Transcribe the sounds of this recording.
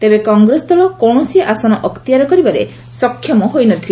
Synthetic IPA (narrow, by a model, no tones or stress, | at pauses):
t̪ebekɔŋɡɾesɔd̪ɔlɔkɔwɳ̃ɔsiʔasɔnɔʔɔkt̪iaɾɔkɔɾibaɾḛ | sɔkʰːjɔmɔɦojnɔt̪ʰile